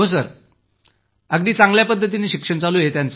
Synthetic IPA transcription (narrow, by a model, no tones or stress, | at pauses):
ɦos̬əɾ | əɡd̪iːt͡saŋɡljapəd̪ʱːət̪̬ineːɕikʂəɳt͡saluːjet̪jant͡s